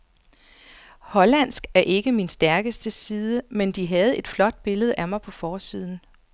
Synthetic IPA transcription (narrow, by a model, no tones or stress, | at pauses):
hɒ̽læn̰sɡ̥æɐʔe̝ɡ̥əminsd̥æɐɡ̥əsd̥əsiːðˠəmend̥iɦæð̞̩ˠe̝d̥flɒ̽d̥̚b̥e̝ləð̞̩ˠæmɑ̈ɪpʰɒ̽fɒːsiːð̞̰ˠn̩